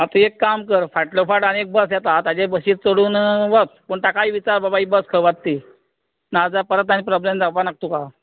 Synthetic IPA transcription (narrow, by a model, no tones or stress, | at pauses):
at̪uekːamkəɾfaʈlofaɖañek̚bəsjɛt̪at̪ad͡ʑebəɕiːt̪̚t͡soɽuːnʋət̪̚pəɳʈ̪akaiːʋit͡ɕaɾbabaiːbəskʰəʋad̪̚t̪i | nad͡zapəɾət̪ːanipɾɔblemd͡zapanak̚t̪uka